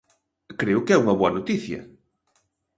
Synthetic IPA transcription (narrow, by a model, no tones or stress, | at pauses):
kɾejukɛuŋɐβuɐnut̪iθjɐ̰